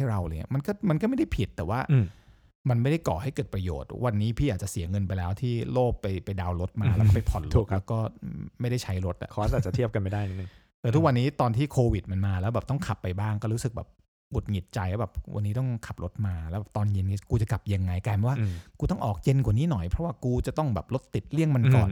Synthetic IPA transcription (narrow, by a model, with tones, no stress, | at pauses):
ha˥˩jɾa˧wlaː˧˩jŋḭ˦˥˩ma˧nkɔː˥˩ma˧nkɔ˥˩ma˥˩jda˥˩pʰi˨˩t̪ːɛː˨˩waː˥˩˧ | ma˧nma˥˩jda˥˩jkɔː˨˩ha˥˩jkɤː˨˩t̪̚pɾa˧jo̰ː˨˩t̪̚wa˧nːiː˦˥pʰiː˥˩ʔaː˨˩t̚t͡ɕa˨˩si˩˦ɐŋɤ˧npa˧jlɛː˦˥wt̪ʰiː˥˩loː˥˩kːa˧jpa˧jdaː˧wɾo˦˥t̪̚maː˧lɛ˦wkɔː˥pa˧jpʰɔ˨˩nɾo˦˧˩k̪̚lɛː˦˥wkɔː˥˩ma˥˩jda˥˩jt͡ɕʰa˦˥jɾo˦˥t̪̚ʔa̰˨˩kʰːa˨˩t͡ɕa˨t̪ʰi˥˩əp̚ka˧nma˥˩jdaː˥˩jn˦˥nɯ˨˧˩ | t̪ɯː˨˦t̪ʰu˦˥k̚wa˧nːiː˦˥t̪ɔː˧nt̪ʰiː˥˩kʰoː˧wi˨˩t̪̚ma˧nmaː˧lɛː˦˥wbɛː˨˩p̚t̪ɔ˥˩ŋkʰa˨˩pːa˧jbaː˥˩ŋkɔː˥˩ɾuː˦˥sɯ˨k̚bɛ̰ː˨˩p̚ | ɡu˨˩t̪̚ŋi˨˩t̪̚t͡ɕa˧jbɛː˨˩p̚wʔa˧nːiː˦˥t̪ɔ˥˩ŋkʰa˨˩p̚ɾo˦˥t̪̚maː˧lɛː˦˥bɛ˨˩pt̪ɔː˧nje˧na˧˩kuː˧t͡ɕa˨˩ka˨˩p̚ja˧ŋːa˧jkaː˧nɛ˨˩waː˥˩kuː˧t̪ɔ˥˩ŋʔɔː˨˩k̚je˧nkwa˨˩niː˦˥nɔ˨˩jpʰɾɔ˦˥waː˥˩kuː˧t͡ɕa˨˩t̪ɔ˥˩ŋbɛː˨˩p̚lo˦˥t̪ːi˨˩t̪̚li˥˩əŋma˧nkɔ̰ː˨˩n